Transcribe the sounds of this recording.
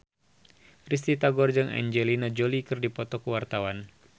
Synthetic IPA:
ris̬t̪it̪aɡɔrd͡ʒɨŋʔa̰ɲd͡ʒɛlinad͡ʒolikɨrdipɔt̪ɔkuwart̪awan

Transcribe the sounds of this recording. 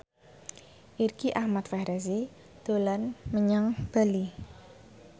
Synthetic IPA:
ʔirkiʔahmat̪fɛhɾɛs̬i | d̪̥o̤lanməɲaŋb̥ali

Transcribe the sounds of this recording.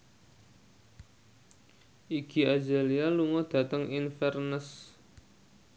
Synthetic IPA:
ʔiɡ̥i̤ad͡ʒa̤lialuŋɔd̥a̤t̪əŋinfɛrnəs

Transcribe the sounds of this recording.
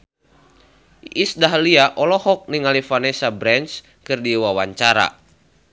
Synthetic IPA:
isdaɦliaʔɔlɔhɔk̚niŋalifanɛsabɾɛns | kɨrdiwawaɲt͡ʃaɾa̰

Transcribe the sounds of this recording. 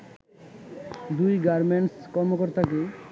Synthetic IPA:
d̪ujɡaɾmeɳʈskɔɾmokɔɾt̪ake

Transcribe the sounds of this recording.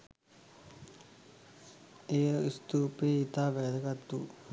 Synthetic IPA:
ejəist̪uːpeːit̪aːʋɛːd̪əɡat̪ːuː

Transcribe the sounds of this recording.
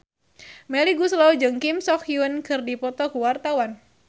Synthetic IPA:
mɛliɡuslɔd͡ʒɨŋkimsɔkjuənkɨrdipɔt̪ɔkuwart̪awan

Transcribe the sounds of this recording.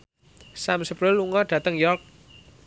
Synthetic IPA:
samsəpɾəlːuŋɔɖ̥ä̤t̪əŋjɔrk̚

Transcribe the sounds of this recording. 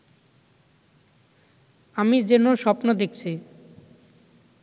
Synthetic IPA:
amid͡ʑenoʃɔpnod̪ek̚t͡ɕʰi

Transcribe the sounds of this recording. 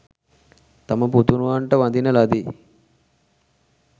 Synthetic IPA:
t̪ɐmɐp̬ut̪unuʋaːɳʈɐʋɐnd̪inɐlɐd̪i

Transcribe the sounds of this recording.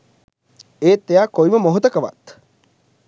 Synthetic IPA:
eːt̪ːejaːkojməmoɦot̪əkəʋa̰t̪

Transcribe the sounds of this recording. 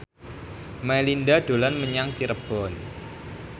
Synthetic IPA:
malindaɖ̥o̤lanməɲaŋt͡ʃiɾəb̥ɔn

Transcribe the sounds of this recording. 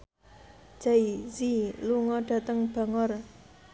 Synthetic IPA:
t͡ɕajiziloŋaʈ͡ʂʰət̪aŋpʰəŋar

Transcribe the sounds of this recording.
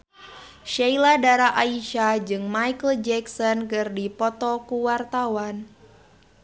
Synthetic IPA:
ʃailadaɾaʔaiʃad͡ʒɨŋmajkəld͡ʒɛksɔnkɨrdipɔt̪ɔkuwart̪awan

